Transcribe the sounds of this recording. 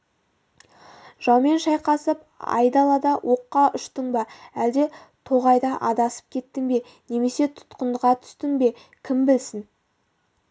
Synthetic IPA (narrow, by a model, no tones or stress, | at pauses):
ʒ̥ɑwme̞nʃɑjqɑsəp | ɑ̰jd̪ɑlˠɑd̪ɑwʔo̞qːɑʔʏʃt̪əɴbɑæld̪e̞ | t̪ʰo̞ʁɑjd̪ɑʔɑd̪ɑsə̥p̚kʲʰe̞t̪ːɪŋbe̞ | ne̞me̞se̞t̪ʰʊ̥t̪qənd̪əʁɑt̪ʰʏ̥st̪ɪŋbe̞ | kʲʰɪmbɪlsɪn